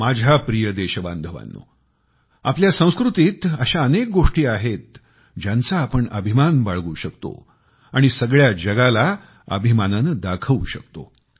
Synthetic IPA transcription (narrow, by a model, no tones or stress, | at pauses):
mad͡ʑʱapɾijəd̪eɕəba̰nd̪ʱəʋa̰nːṵ | apljasə̃w̃skɾut̪iːt̪əɕaənek̚ɡoʂʈiːaɦet̪̚ | d͡ʑjant͡saːpəɳə̰bʱimanbaɭɡuːɕəkt̪o̰ | aɽ̃isəɡɭjad͡ʑəɡala | ə̰bʱimananəd̪akʰəuɕəkt̪o̰